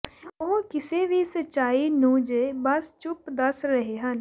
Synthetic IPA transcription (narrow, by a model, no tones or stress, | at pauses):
oːkɪseʋʱisət͡ʃaːinuːd͡ʒebɐst͡ʃʊpd̪ɐsɾɐɦeɦɐn